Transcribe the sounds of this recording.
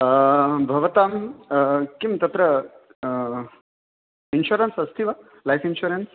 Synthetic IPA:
bʱɐʋɐt̪aːm | kimt̪ɐt̪ɾɐ | inʃuɾɐnsɐst̪ʰiʋɐ | lajfʰinʃuoɾens

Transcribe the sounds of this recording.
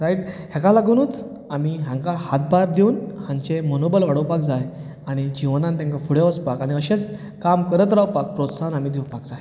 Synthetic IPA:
ɾaiʈhɛkalaɡunut͡s | amiɦãŋkahat̪̚baɾd̪eunhãɲt͡ɕemonobəlʋaɽəwpakd͡zaj | aɽ̃id͡ʑiʋnãnt̪jãŋkafuɽjeʋəspakaɽ̃iəɕet͡s | kamkəɾət̪ɾawpak̚pɾot̪sanamid̪ewpakd͡zaj

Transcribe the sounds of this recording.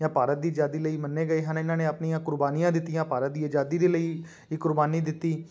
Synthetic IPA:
jãːpaːɾət̪̚d̪iːd͡ʒaːd̪iːləiːmənːeːɡəeːɦənɪnãːneːəpnijãːkʊɾbaːnijãːd̪ɪt̪ːijãːpaːɾət̪̚d̪iːəd͡ʒaːd̪iːd̪eːləiː | kʊɾbaːniːd̪ɪt̪ːiː

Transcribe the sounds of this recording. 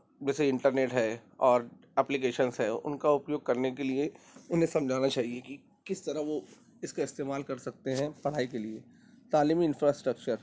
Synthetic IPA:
d͡ʒɛːseɪ̃ɳʈəɾneːʈɦɛːɔːɾ | ɛːplik̬eːʃənsɦɛːʊ̰nkaʊpjoːɡ̚kɐɾnekelie | ʊnɦẽsɐ̃md͡ʒʱaːnat͡ʃaːɦieki | kɪst̪ɐɾəɦʋo | ɪskaɪst̪eːmaːlkɐɾsɐk̚t̪eɦɛ̃pɐɽ̤aːikelie | t̪aːliːmiɪ̃nfɾaːsʈɾək̚t͡ʃəɾ

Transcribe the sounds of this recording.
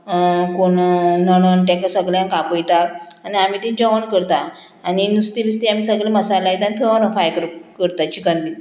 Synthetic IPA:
koɳnəɽənʈɛ̃kəsəɡljãnkapəjt̪aɾaniamiːt̪ĩnd͡ʑəʋəɳkəɾt̪aː | ninust̪ibist̪iam̤isəɡleməsalaid̪ant̪ʰəənəfajkəɾkəɾt̪at͡ɕikəndi

